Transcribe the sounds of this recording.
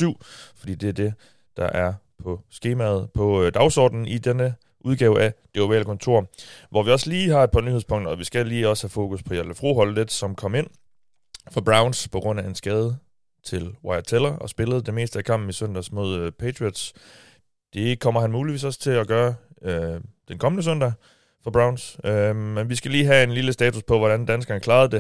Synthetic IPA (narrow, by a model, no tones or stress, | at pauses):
syʊ̰fɒ̽d̥ḭːd̥e̝æɐd̥e̝ | d̥ɑ̈ʔæɐ | pʰɒ̽sɡ̥e̝ːmæð̩ˠpʰɒ̽d̥ɑ̈ʊsɒ̰ːd̥n̩id̥enə | ʔuð̞ˠɡ̥ɛːʊəʔæd̥e̝oʋɛ̰ːləkʰɒ̽nt͡sʰo̝ɐ̰ʋɒʋiɒ̽sliːɦɑ̈ed̥̚pʰɑ̈nyheðˠspʰɔ̽ŋ̰d̥ɐɒ̽ʋisɡ̥æliːɒ̽sə̥hæfo̝ːkʰuspʰɒ̽jæləfʁo̝̰ːɦɒ̽lded̥sɒ̽mkʰɒ̽me̝n̰ | fɒb̥ʁɑ̈ʊnspʰɒ̽ɡ̥ʁɔ̽n̰æe̝nsɡ̥ɛːð̞ˠə | t͡sʰe̝lwɑ̈ɪɐt͡sʰelɐɒ̽sb̥e̝ləð̞̩ˠd̥e̝me̝̰ːsd̥əækʰɑ̈m̰b̥̚m̩isøn̰d̥æsmo̝ð̞̰ˠpʰet͡sʰʁiɒd̥s | d̥e̝kʰɒ̽m̰ɐɦænmuːliʋḭːsɒ̽st͡sʰe̝læɡ̥ɶːɐød̥enkʰɒ̽mənəs̬øn̰d̥æ | fɒb̥ʁɑ̈ʊ̃nsømenʋisɡ̥æliːɦæe̝nliləsd̥ɛːt͡sʰuspʰɒ̽ʋɒɾænd̥ænsɡ̥ɐnəkʰlɑ̈ːð̞̩ˠd̥e̝